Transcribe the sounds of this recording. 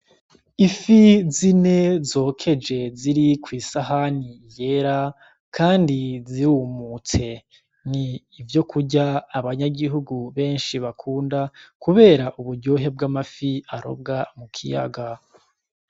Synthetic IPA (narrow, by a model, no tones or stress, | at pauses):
ifizine̞zo̞ːkʰe̞d͡ʒe̞ziɾikwiːsaɦanije̞ɾa | kʰaːndiziwumut͡se̞ | niː | vjo̞kuɾɟaːβaɲaɡiɦuɡuβe̞ːnʃiβakʰuːndakuβe̞ːɾaʔuβuɾɟo̞ːɦe̞b̚ɡamafiaɾo̞̰b̚ɡamukʰija̰ɡa